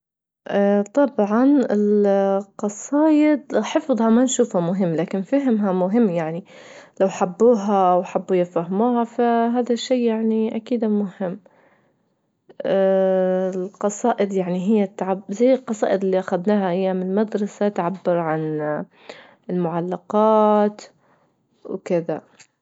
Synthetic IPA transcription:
ʔt̪ˤɑbʕɑnɪlqɑsˤɑːʔɪd̪ħɨfðˤhɑmanʃuːfhamʊɦɪmːlaːkɪnfaɦɪmɦamʊɦɪmːjaʕni | lawħabːuːɦaʔwħabːujafahmuːhafaɦaːðaʃːiːjaʕniʔakiːd̪mʊhɪmː | lqɑsˤɑːʔɪd̪jaʕniɦɪjːat̪ːaʕabzajːɪlqɑsˤɑːʔɪd̪ɪlːiʔaxad̪naːhaʔɪjːamɪlmad̪ɾˤɑsat̪ʕabːɪɾʕan | ɪlmʊʕalːɑqɑːt̪ | wkɪða

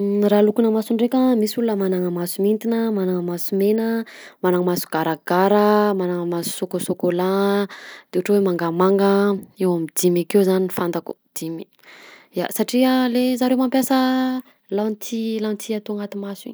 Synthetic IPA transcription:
ralukunəmasuɳɖ͡ʐekʲəmisulunəmanaŋəmasumint̪inəmanaŋəmasumenə | manaŋəmasu̥ɡ̥aɾaɡ̥aɾəmanaŋəmasu̥sokosokola | d̪̥euʈ͡ʂwemaŋɡamaŋɡəewamid̪imakewzaninifand̪aku̥̰ | d̪̥imi | ja̰saʈ͡ʂiəlezaɾewmampjasə | lant̪ʰilant̪ʰiat̪oaŋɡat̪imasḭɲi̥

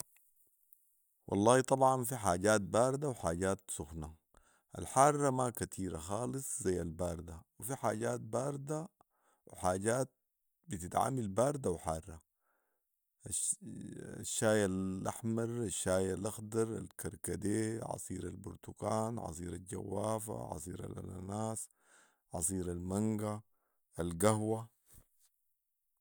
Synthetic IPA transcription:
wʔɑ̰lˤːɑːhit̪ˤɑbʕɑnfiħaːɟaːt̪̚baːɾˤd̪awħaːɟaːt̪sʊxna | ʔa̰lħaːrˤːɑmakat̪ʰiːɾaxaːlɨsˤzajːalbaːɾˤd̪awifiħaːɟaːt̪̚baːɾˤd̪a | wħaːɟaːt̪̚ | bit̪it̪ʕa̰milbaːɾˤd̪awħaːrˤːɑ | aʃːaːjalʔaħmɑɾˤaʃːaːjalʔaxd̪ɑɾˤa̰lkaɾˤkad̪eːʕɑ̰sˤiːɾa̰lbuɾt̪ukaːnʕɑ̰sˤiːɾalɟa̰wːaːfa̰ʕɑ̰sˤiːɾa̰l̰lʔa̰naːs | ʕɑ̰s̬ˤiːɾalmaŋɡa | alɡahwa

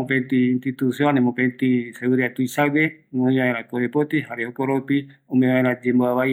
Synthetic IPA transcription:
opent̪iːnt̪it̪usjonemopent̪iseuɾiat̪uisaɡeŋoɲoaeɾapoepot̪iɦaɾeopoɾopiomeβaeɾad͡ʒemboaβaj

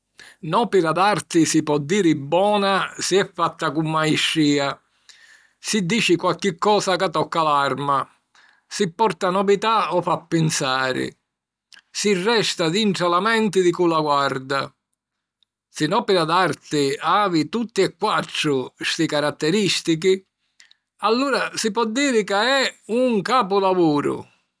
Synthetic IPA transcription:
nɔːpɪɾad̪art̪ɪsipɔd̪ːiːɾɪbːɔːnasiɛfːat̪ːakumːaiʃːiːa | sid̪ːiːt͡ʃikwalk̟ɪkːɔːsakat̪ːɔkːalaɾma | sipːɔrt̪anɔvit̪aɔfapːɪnsaːɾɪ̰ | sirːɛst̪ad̪iɳʈɾalamɛnt̪ɪðikulaɡward̪a | sinɔːpɛɾad̪art̪ɪaːvit̪ut̪ːiɛkːwat̪ːɾʊst̪ikaɾat̪ːɛɾist̪ik̬i | alːuːɾasipɔd̪ːiːɾɪkaɛuŋkaːp̬ʊlavuːɾʊ̰

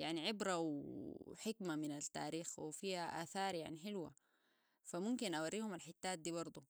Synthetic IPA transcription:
jaʕniʕɪbɾawħɪkmaminalt̪ːa̰ːɾiːxwifiːhaʔa̰ːθɑːɾˤjaʕniħɪlwa̰ | famumkinʔawarːiːhumalħɪt̪ːaːt̪̚d̪iːbɑɾˤd̪ˤu

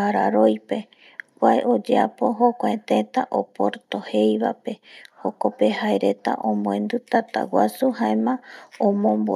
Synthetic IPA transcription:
aɾaɾo̞jpe̞ | kʷaeʔo̞d͡ʒeapo̞ɦokʷaet̪et̪aʔopoɾt̪o̞he̞jβa̰pe̞hokopeɦaeɾe̞t̪a̰ʔõmõẽnd̪ut̪at̪a̰wasuhaemãõmõmbo

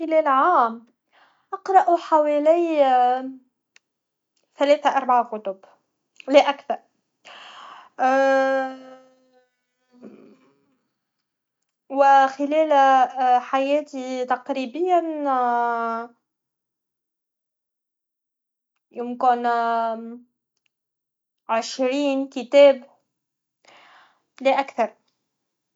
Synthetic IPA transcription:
xɪlɛːlʕaːm | ʔɑqɾˤɑʔuħawɛːlij | θælɛːθaʔɑɾˤbaʕkʊt̪ʊb | lɪʔækθɑɾˤ | wɪxɪlɛːl | ħajæːt̪it̪ɑqɾiːbɪjːan | jʊmkɪn | ʕɪʃɾiːnkɪt̪æːb | lɪʔakθɑɾˤ

